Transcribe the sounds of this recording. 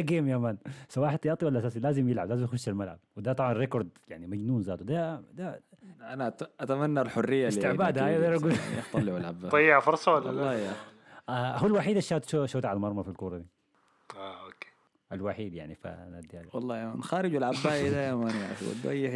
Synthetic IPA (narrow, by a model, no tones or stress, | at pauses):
ɡemjamaːnsawaːħɪd̪t̪ɑʔt̪ˤːiwalʔasaːsilaːzɪmjɪlʕablaːzimjɪxʊʃːalmalʕa̰b̚wɪd̪at̪ˤɑbʕɑnɾekoɾˤd̪jaʕnimad͡ʒnuːnzaːt̪ud̪ad̪aʔanaʔat̪amanːalħʊrːɪjːalːit̪ɪʕbaːd̪aajad̪eɾaɡujt̪ˤːɑlːɪʕalʕabːatˤːɑjːʕafʊɾˤsˤɑwallːɑːja | ahualwaħiːd̪aʃːaːt̪ʃoʃoːt̪ʕalmɑɾˤmɑfilkuːɾˤɑd̪i | aokːe̥ː | ʔalwaħiːd̪jaʕnifḭnad̪ːjaːlwɑlˤːɑːjama̰ːnxaːɾɪd͡ʒalʕabːaːʔid̪ajamanjan̰swa̰t̪̚ba̰jːɪ